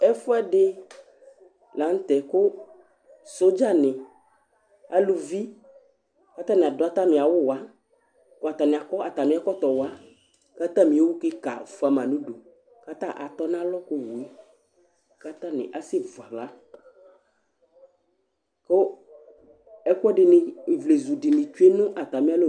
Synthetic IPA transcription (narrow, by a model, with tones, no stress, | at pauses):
ɛ˦fo˦ɛ˦ɖɪ˦ | la˨˦n˦t̪ɛ˨ko˦ | so˦d͡ʒa˦nɪ̃˨ | a̰˨lu˨vi˦ | ka˦t̪ã˦nẽ˨a˨do˨˦a˦t̪a˦mĩ˨a˨wʊ˦wa˦ | ko˦a˨t̪a˨nẽ˨a˨kɔ˦a˨t̪a˨mĩ˨˦a˦kɔ˦t̪ɔ˨wa˦ | ka˦t̪ã˦mĩ˦e˦wu˦ke˦ka̰˨fa˨mã˨nũ˦ɖo˨ | ka˦t̪ã˦ʔa˨t̪ɔ˦nã˦lɔ˦ko˦wu˨e˦ | ka˦t̪ã˦nɪ̰̃˨ʔa˨se˦vu˨a˨la˦ | ko˦ | ɛ˦ku˦ɔ˦ɖɪ˨nɪ˨vle˨zu˨ɖi˨nĩ˨t͡ʃu˦e˦nũ˦ʔa˨t̪a˨mĩ˦a˦lo˦˨